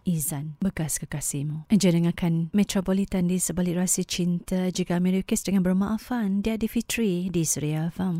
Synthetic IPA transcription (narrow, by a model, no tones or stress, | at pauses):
ʔizanbəkaskəkasimuʔad͡ʒənəŋakanmɛt̪ɾopolit̪andisəbalɪʔrasit͡ʃint̪ad͡ʒikamiɾikəsdəŋanbəɾmaʔafandiadifit̪ɾidisuɾiafam